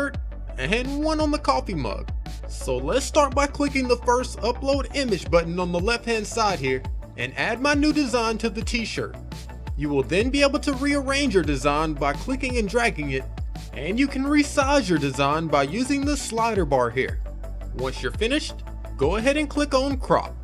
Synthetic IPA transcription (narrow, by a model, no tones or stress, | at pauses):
ə˞t | ɨ̃nwʌ̃nə̃nðəkʰɔfimʌ̰ɡ̥̚ | soʊlətstɑɹt̚b̥aɪkʰl̥ɪkɪ̃ŋðəfɜ˞stʌploʊɾɪ̃mɨd͡ʒbʌʔn̩ə̃nðəlɛft̚hæ̃nd̥saɪd̚hiɹʔɨ̰̃næd̚maɪnʉdɨzãɪ̃ntʰɨðɨtʰiʃɜ̰˞t̚ | jɨwɪlˠðɨ̃nbieɪbl̩ˠtʰɨɹiə˞ẽɪ̃nd͡ʒjə˞dɨzãɪ̃nbaɪkʰl̥ɪkɪ̃ŋɨ̃ndɹæɡɪ̃ŋɪɾ | ʔɨ̃njɨkʰn̩ɹisaɪzjə˞dɨzãɪ̃nbaɪjʉzɪ̃ŋðəslaɪɾə˞bɑɹɦḭɹ | wʌ̃nsjə˞fɪ̃nɨʃt̚ | ɡ̥oʊəɦɛɾɨ̃nkʰl̥ɪkn̩kʰɹ̥ɑ̰p̚